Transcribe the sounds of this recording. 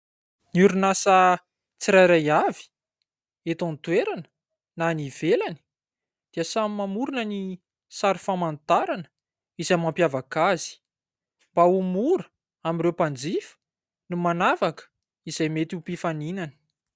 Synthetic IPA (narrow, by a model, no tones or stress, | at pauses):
nuɾunasa | t͡siɾajɾajavi̥ | et̪õnt̪weɾanə̥ | naniv̥elani̥ | d̪̥iəsamimamuɾunəni | saɾifamant̪aɾanə̥ | izamampjavakazi̥ | mb̥aumuɾə̥ | amirewpand͡zifə̥ | numanavakə̥ | izajmet̪iupifaninani̥